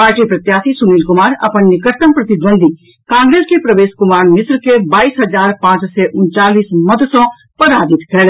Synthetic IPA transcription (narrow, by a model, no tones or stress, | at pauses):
paːɾʈiːpɾət̪jaːsisʊniːlkʊmaːɾɐ̰pənnɪkəɾt̪əmpɾət̪ɪd̪ʋə̃nd̪ʱi | kãːŋɡɾeːskepɾəʋeːskʊmaːɾmɪsɾkebaːiːsɦɐd͡ʒaːɾpãːt͡ʃseʔʊnt͡ʃaːliːsmɐd̪sɔ̃ː | pəɾaːd͡ʒ̪ɪt̪kʰɛːɽ